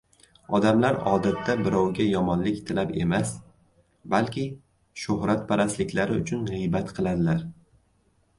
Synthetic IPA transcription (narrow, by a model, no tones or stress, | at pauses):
ɒd̪amlaɾɒ̰d̪at̪ʰːabɪɾɒwɡʲajɒmɒnlɪkʲt̪ʰɪlape̞mas | balkʲʰɪ | ʃʊhɾat̪̚pʰaɾaslɪkʲʰlaɾɪʊt͡ʃʰʊnʁɨjbat̪qʰɨlˠad̪ɪlaɾ